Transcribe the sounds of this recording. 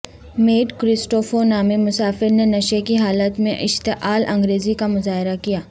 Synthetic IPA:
meːʈkɾɪsʈoːfonaːmemʊsaːfɪɾnenɐʃekiɦaːlət̪mẽʔɪʃt̪eʔaːlʔɐ̃ŋɡɾeːzikamʊzaːɦɪɾakijaː

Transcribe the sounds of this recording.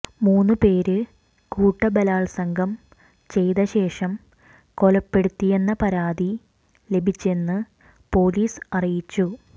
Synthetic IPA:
muːnːɨpe̞ːɾɨ | kuːʈːɐbɐlaːɭsɐŋɡʱɐm | t͡ɕe̞jðɐɕe̞ːʂɐm | ko̞lɐpːe̞ɽut̪ːije̞nːɐpɐɾaːd̪i | le̞bʱit͡ɕːe̞nːɨ | po̞ːliːsɐrijit͡ɕːu

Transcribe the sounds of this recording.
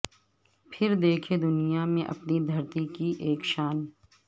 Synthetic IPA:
pʰɪɾd̪eːkʰed̪ʊnijamẽʔɐ̰pnid̪ʱɐɾt̪ikiʔeːkʃaːn

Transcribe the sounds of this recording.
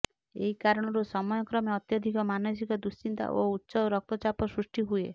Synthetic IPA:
ḛɦikaɾɔɽ̃ɔɾusɔmɔjɔkɾɔmeɔt̪jɔd̪ʱikɔmanɔs̬ikɔd̪usint̪a̰ʔo̰utːsɔɾɔk̚t̪ɔt͡ʃapɔsɾusʈiɦuḛ

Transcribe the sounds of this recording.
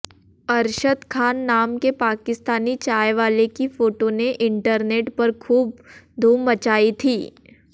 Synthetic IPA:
ɐɾʃət̪kʰaːnːaːmkepaːkɪst̪aːnit͡ʃaːjʋaːlekifoːʈoneʔɪ̃ɳʈəɾneːʈpɐɾkʰuːb̚d̪ʱuːmːɐt͡ʃaːit̪ʰiː

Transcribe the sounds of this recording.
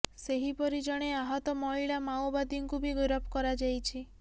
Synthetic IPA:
seɦipɔɾid͡ʒɔɽ̃eaɦɔt̪ɔmɔiɭamaobad̪iŋkubʱiɡiɾɔpkɔɾad͡ʒajt͡ʃʰi

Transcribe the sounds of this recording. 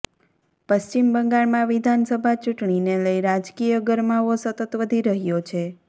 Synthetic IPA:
pəst͡ʃimbəŋɡaɭmãʋid̪ʱansəbʱat͡ʃuʈɳineləiɾad͡ʒkijəɡəɾmaʋosət̪ət̪ʋəd̪ʱiɾəɦjot͡ʃʰe

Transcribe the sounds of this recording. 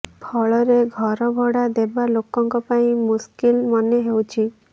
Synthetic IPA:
pʰɔɭɔɾeɡʱɔɾɔbʱɔɽad̪ebalokɔŋkɔpaĩmuskilmɔneɦewt͡ʃʰi

